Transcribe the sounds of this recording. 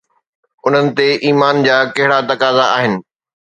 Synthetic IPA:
ʊn̤ənɪ̆t̪eʔiːmaːnd͡ʑaːkɐɦɪɽat̪ɐkaːzaa̰ːɦɪnɪ̆

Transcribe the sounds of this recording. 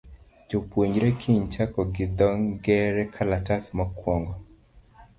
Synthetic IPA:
d͡ʒopwoɲd͡ʒɾɛkʰiɲt͡ʃakɔɡɪd̪ɔŋɡɛɾɛkʰalatasmakwɔŋɡɔ

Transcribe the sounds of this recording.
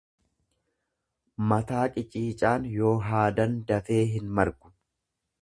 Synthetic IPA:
mɐt̪aːkʼɪt͡ʃʼiːt͡ʃʼaːnjo̞ːɦaːd̪ɐnd̪ɐfe̞ːɦɪnmɐɾɡʊ̥

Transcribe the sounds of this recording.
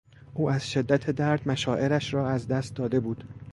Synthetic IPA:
ʔuːæzʃe̞d̪ːæt̪ʰed̪æɾd̪mæʃɒːʔe̞ɾæʃrɒːæzd̪æst̪̚d̪ɒːd̪e̞buːd̪̥

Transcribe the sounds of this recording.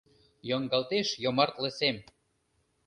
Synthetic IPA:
joŋɡɑlt̪eʃjomɑrt̪lə̆sem

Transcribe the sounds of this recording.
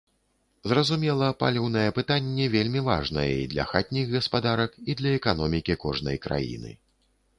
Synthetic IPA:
zrɐzumʲɛlˠɐpa̰lʲiwn̪ɐjɛpɨt̪anʲːɛvʲelʲmʲiva̰ʐnɐ̰jɛḭd̪lʲɐ̰xat̪ʲnʲiɣɣɐspad̪aɾɐkid̪lʲɐɛkan̪ɔmʲikʲikɔʐnɐ̰jkɾa̰jḭnɨ̰

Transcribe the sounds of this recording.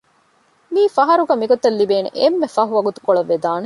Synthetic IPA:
miːfɐɦɐɾuɡɐmiɡot̪ːɐlːibeːnḛʔemːefɐɦuʋɐɡut̪u̥koɭɐʋːed̪aːne

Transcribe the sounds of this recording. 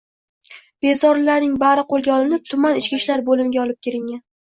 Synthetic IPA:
b̥e̞zɒɾlaɾnɪŋbaɾɪqʰolˠɡʲaɒlɪnɪp̚t̪ʰʊmanɪt͡ʃkʲiʃlaɾbolɪmɪɡʲaɒlˠɪp̚kʲʰeɾɪŋːan

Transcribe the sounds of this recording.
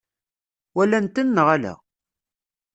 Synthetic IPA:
wælænt̪ənːəʁælæ̰

